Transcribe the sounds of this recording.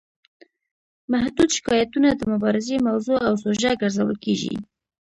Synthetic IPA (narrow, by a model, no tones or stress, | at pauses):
mahd̪ud̪ʃɪ̥kɑjat̪unad̪əmʊbɑɾɪzemawzoawsoʒaɡəɾzawə̰lkeʒḭ